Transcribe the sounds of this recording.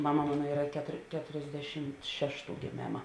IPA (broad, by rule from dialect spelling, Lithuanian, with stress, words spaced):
ˈmɑːmɐ ˈmɑːnoː ˈiːrɐ kʲɛtoːr ˈkʲæːtoːrʲzʲˌdʲæːʃʲɪmt ˈʃʲæːʃˌtuː ɡʲeːˈmʲeːmɐ